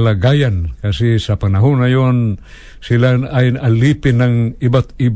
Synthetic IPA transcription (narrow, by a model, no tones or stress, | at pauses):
laɡajankasisɐpɐnaɦunajon | sɪlaajɐlipɪnaŋibat̪ib